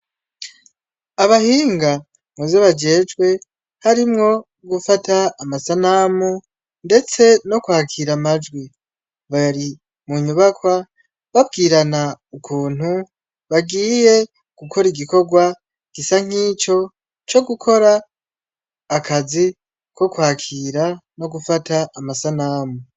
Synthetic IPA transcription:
aβahiːŋɡa | muzeβad͡ʒe̞ːd͡ʒɡwe̞ | haɾimŋo̞ | ɡufatʰaːmasanaːmu | nde̞t͡se̞no̞kuhakʰiɾamad͡ʒɡwi | βaɾi | muɲuβakwa | βabɡiːɾanaukʰuːn̥hu | βaɡiːje̞ | ɡ̥ukʰo̞ɾiɡiko̞ɡwa | ɡ̥isaŋ̥iːt͡ʃo̞ | t͡ʃo̞ɡukʰo̞ɾa | kʰazi | ko̞kwaːkʰiːɾano̞ɡufataːmasanaːmu

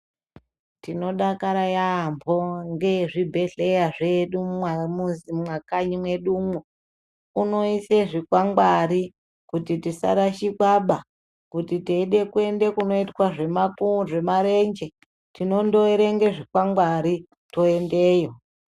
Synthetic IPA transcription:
tino̞ɗakaɾajaːmbʰʱo̞ŋɡe̞ʐibʱe̞ɮe̞jaʐe̞ɗummwamuzimwakaɲimwe̞ɗumo | uno̞ise̞ʐikwaŋɡwaɾi | kutitisa̰ɾaʃikwaɓa | kutiteiɗe̞kue̞nde̞kuno̞itwaʐe̞makuʐe̞maɾe̞nd͡ʒe | tino̞ndoeɾeŋɡe̞ʐikwaŋɡwaɾi | to̞e̞nde̞ːjo̞

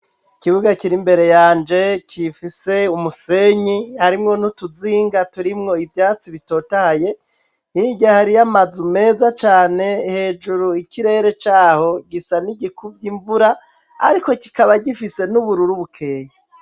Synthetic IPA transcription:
ikiβuɡakiɾimbe̞ɾe̞jaːnd͡ʒe̞cʰifise̞umuse̞ɲihaɾimŋo̞nhutuziːŋɡatuɾimŋo̞ivjaːt͡siβito̞tahaje̞ | hiɟahaɾijamazume̞ːzat͡ʃaːne̞he̞ːd͡ʒuɾuikiɾe̞ɾe̞t͡ʃaːho̞ɡisaniɡikuvjiɱvuɾa | a̰ɾiko̞ki̥kaβaɟifise̞nuβuɾuɾuβukʰeːja

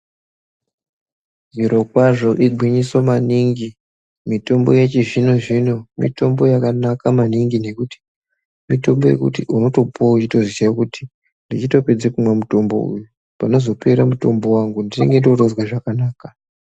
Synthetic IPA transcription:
ziɾo̞kwaʐo̞ʔiɡ͡ǃʱwiɲisomaniŋɡi | mito̞mbo̞jet͡ʃiʐino̞ʐino̞mḭto̞mbo̞jakanakamaniŋɡine̞kuti̥ | mito̞mbo̞je̞̰kṵtiʔunoto̞pʰout͡ʃito̞ziʃakuti̥ | ndit͡ʃito̞pe̞d͡zekumwamuto̞mbo̞̰ṵju | pano̞zo̞peɾamuto̞mbo̞waŋɡundineŋɡe̞to̞rozwaʐakanaːka

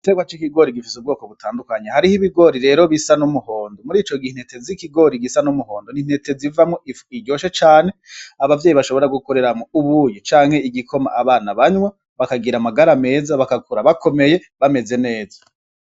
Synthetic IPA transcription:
iteɡwat͡ʃikiɡo̞ɾiɡifisub̚ɡoːkoβutʰaːndukaɲehaɾihiβiɡo̞ɾiɾe̞ːɾo̞βisanumuho̞ːndomuɾiːt͡ʃo̞ɡin̥etʰe̞zikiɡo̞ɾiɡisanumuho̞ːndonin̥he̞te̞zivamŋoiɟɟo̞ːʃet͡ʃaːne̞aβavjeːjiβaʃo̞βo̞ɾaɡuko̞ɾe̞ɾamŋouβuːjit͡ʃaːŋhe̞iɡikʰo̞ma̰ʔaβaːnaβaɲwa | βakaɡiɾamaɡaɾame̞ːzaβakakuɾaβako̞me̞je̞ | βame̞ze̞ne̞ːzḁ

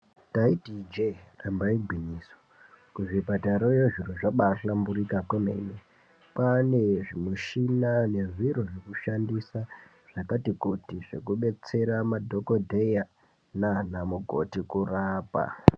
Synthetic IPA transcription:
taitid͡ʒerambaiɡʱiniːso̥ | kuʐipataɾojoʐiroʐaɓaɬambuɾikakwomḛne | pane̞ʐimuʃinane̞ʐiɾoʐekuʃandisa | ʐ̥akatikutiʐ̥e̞̰kuɓe̞t͡se̞ɾamadʱo̞kodʱeja | nanamuko̞̰tikuraːpa̰

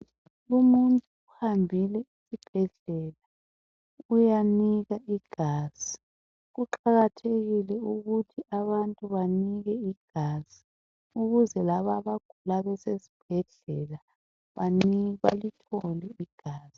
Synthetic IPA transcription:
umuntʼuːhambʱilɛisib̥ʱɛɮɛla | ujaniɣaiɡ̥ʱaːz̥i | ɣuǃaɣatʰeɣilɛuɣutʰiʔaβantʼuβaniɣɛiɡ̥ʱaːz̥i̥ | uɣuzɛlaβaβaɡ̥ʱulaβɛsesi̥b̥̚ʱɛɮɛla | βaniβa̰litʰoliiɡ̥ʱaːz̥i

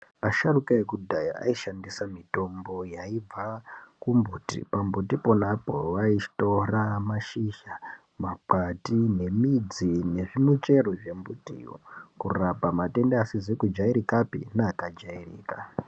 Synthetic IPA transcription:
aʃarukaekudʱaja̰a̰iʃandisamito̞mbo̞jaib͡vakumbuːtḭpambutipo̞napo̞ʋait͡ʃi̥to̞ramaʃiʃa | mapatine̞mid͡zine̞ʐimut͡ʃe̞ɾo̞ʐe̞mbutḭjo̰kurapamate̞ndeasizekud͡ʒaiɾikapḭnaːkad͡ʒairḭːka

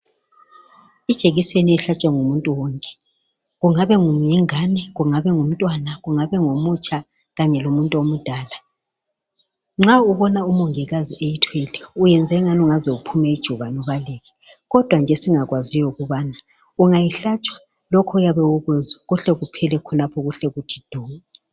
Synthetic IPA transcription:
id̥ʒ̥ʱeɣiseniɛɬat͡ʃʼwaŋumuntʼuwɔŋkʼɛ̥ | ɣuŋaβɛŋujɛŋanɛɣuŋaβɛŋum̩tʼwanaɣuŋaβɛŋomut͡ʃʼa | ɣaɲɛlomuntʼuomud̥ʱaːla | ŋ͡ǁauβɔnaumɔŋɛɣaziʔejitʰwɛlɛujɛnd͡zʱɛŋanuŋazɛupʰumɛid̥ʒ̥ʱuβanuβaleːɣɛ | ɣɔd̥ʱwand͡ʒʱɛsiŋaɣwazijɔuɣuβana | uŋajiɬat͡ʃʼwḁ | lɔkʰɔujaβɛwuɣɛzaɣuɬɛɣupʰɛlɛkʰɔnapʰɔɣuɬɛɣutʰi̥d̥ʱɔːŋa

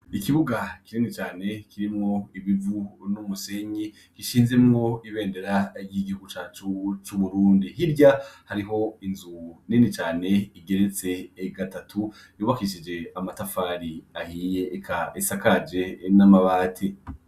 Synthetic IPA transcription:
ikiβuɡakiniːnit͡ʃaːne̞kʰiɾimŋo̞iβivunumuse̞ɲi | kiʃiːnze̞mŋo̞iβe̞ːnde̞ɾaɾɟiɡihuɡut͡ʃaːt͡ʃut͡ʃuβuɾuːndiɦiɾɟahaɾiɦo̞inzuninit͡ʃaːne̞iɡe̞ɾet͡se̞ːɡatatʰu | juːβakiʃid͡ʒe̞amatafaːɾiahiːje̞kʰaisakad͡ʒe̞namaβaːtʰi

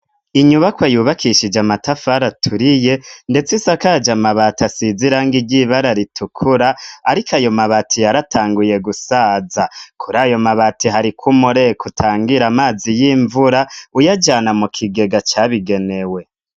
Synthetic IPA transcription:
iɲuβakwajuːβakʰiʃid͡ʒamatafaɾatʰuɾije̞nde̞t͡sisakad͡ʒamaβatasiziɾaŋɡiɟiβaɾaɾitʰukʰuɾaːɾikʰajo̞maβatʰijaɾatʰaːŋɡuje̞ɡusaːzakʰuɾaːjo̞maβatiɦaɾikʰumuɾekutʰaːŋɡiɾamaːzijiːɱvuɾaujad͡ʒanamukʰiɡe̞ɡat͡ʃaβiɡe̞ne̞we̞

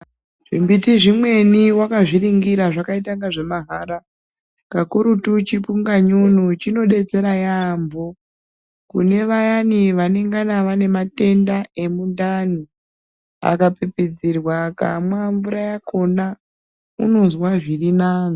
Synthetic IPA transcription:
ʐ̥imbitiʐimwe̞niwakaʐiɾiŋɡiɾaʐakaitaŋɡaʐe̞maɦaɾa | kakuɾutut͡ʃipuŋɡaɲunut͡ʃino̞ɗe̞t͡se̞ɾajambo | kune̞ʋajaniʋane̞ŋɡanaʋane̞mate̞ndae̞mundani | a̰kapipid͡zirwaka̰mwaɱvuɾajakʰo̞na | ṵnonzwaʐirinaːno

